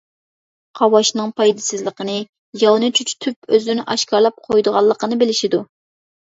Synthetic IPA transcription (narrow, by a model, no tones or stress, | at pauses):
qʰɑwɑʃnɨŋpʰɑjd̪ɨsɪzlˠəqənɨ | jɑwnɨt͡ʃʰyt͡ʃʰt̪ʰypøzyɾnɪʔɑʃkɑɾlˠɑp̚qʰojd̪əʁɑlˠːəqənɨbɪlɪʃid̪u